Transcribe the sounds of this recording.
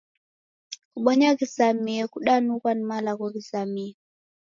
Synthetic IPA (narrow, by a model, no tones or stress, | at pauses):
kuɓɔɲakisamiɛkuɗanukanimalakɔkisamiɛ